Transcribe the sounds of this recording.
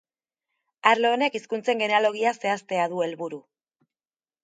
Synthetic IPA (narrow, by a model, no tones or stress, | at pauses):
aɾlo̞ːne̞kiskunt͡se̞ŋɡe̞nalo̞ɣ̞iase̞ast̪e̞aðue̞lβuɾu